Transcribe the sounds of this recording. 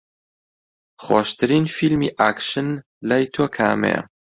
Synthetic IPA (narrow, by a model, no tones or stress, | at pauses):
χwoːʃt̪ʰɨɾiːnfilmiːʔaːkʃɨn | lajt̪ʰoːkʰa̰ːmḛjɐ̰